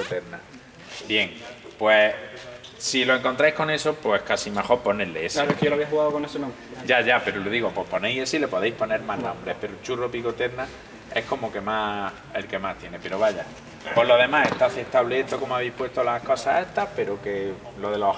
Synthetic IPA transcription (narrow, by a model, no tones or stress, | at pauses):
ot̪eɾna | bje̞ŋpwe | silo̞e̞ŋko̞nt̪ɾajko̞ne̞so̞pwe̞hkasimexo̞ɾponeleesaekloaβeahuɣaðokonesenõmɾd͡ʒaʝape̞ɾoloðiɣo̞pwo̞po̞nejesile̞po̞ðejhpo̞ne̞ɾmanõmbɾe̞hpe̞ɾot͡ʃuropikot̪e̞ɾna | e̞̰hko̞moke̞ma | e̞lke̞maht̪jene̞pe̞ɾoβaʝa | po̞ɾlo̞ðe̞maheht̪aθeht̪aβleet̪oko̞moaβ̞ejpwe̞st̪o̞lako̞saeht̪ahpe̞ɾoke̞ | lo̞ðe̞lo